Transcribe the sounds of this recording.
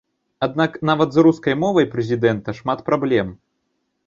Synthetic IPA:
ad̪̚naknavɐt̪zruskɐjmɔvɐjpɾɛzʲid̪ɛnt̪ɐʂmat̪pɾablʲɛm

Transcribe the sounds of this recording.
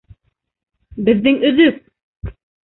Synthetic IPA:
bɘ̆ðːɘŋɵ̆ðɵk̚

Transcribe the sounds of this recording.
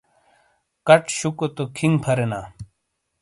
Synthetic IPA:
kɐʈɕukot̪okʰiŋpʰɐɾenaː

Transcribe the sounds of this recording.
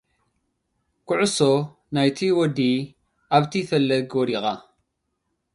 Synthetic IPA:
kʊʕʊso | najt̪ʰiwɔd̪i | ʔaβt̪ʰifɐlːɐɡwɔɾiɣa

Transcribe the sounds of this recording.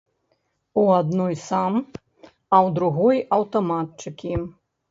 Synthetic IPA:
uad̪nɔjsam | ɐwd̪ɾuɣɔjɐwt̪ɐmat̪t͡ʂɨkʲi

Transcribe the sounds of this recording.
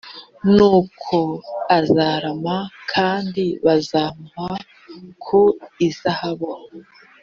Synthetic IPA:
nuːkʰoazaːɾamakʰaːndiβazaːmma | kʰuizahaβo

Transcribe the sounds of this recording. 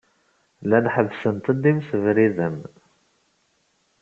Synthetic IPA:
lænħəvːsənt̪əd̪imsəvɾiðəm

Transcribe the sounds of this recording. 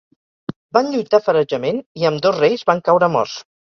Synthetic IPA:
banʎujt̪afəɾəʒəmeniəmd̪ozrejzβaŋkawɾəmɔ̰s

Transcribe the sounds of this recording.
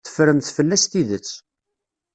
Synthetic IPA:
ə̥fɾəmθfəlːæst̪iðət͡sː

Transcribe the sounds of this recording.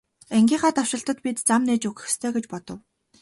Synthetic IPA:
æŋɡʲiːχaːt̪aw̥ʃɪ̆ɬt̪ə̆t̪pit̪t͡samneːt͡ɕuxɘ̥̆xst̪ʰœːɡet͡ɕpɔt̪ɞ̆w

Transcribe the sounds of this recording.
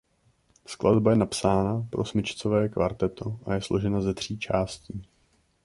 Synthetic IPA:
sklʔadbajɛnapsaːnapɾo̞̰smɪt͡ʃt͡sovɛːkva̰ɾt̪ɛt̪ʰoʔajɛslo̞ʒɛnazɛt̪r̝̥iːt͡ʃaːsciː

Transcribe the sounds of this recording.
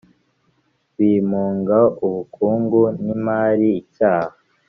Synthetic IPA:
wiːmuːŋɡauβukʰuːŋɡunimaːɾiːcaːha

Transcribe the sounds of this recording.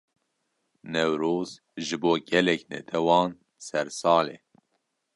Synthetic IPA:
nɛwɾoːz | ʒɨboːɡɛlɛknɛ̰t̪ʰɛwɑːn | sɛɾsɑːleː

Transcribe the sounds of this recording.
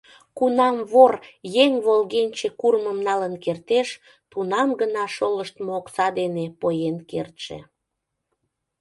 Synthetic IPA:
kunɑmβorjeŋβolɣenʲt͡ɕekurməmnɑlənkert̪eʃ | t̪unɑmɡənɑʃoləʃt̪moksɑd̪enepojenkḛrt̪ʃḛ

